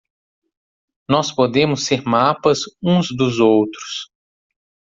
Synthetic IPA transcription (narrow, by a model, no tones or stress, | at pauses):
nɔspod̪ẽmʊsːeɾmapɐzũzd̪ʊzowt̪ɾʊ̥s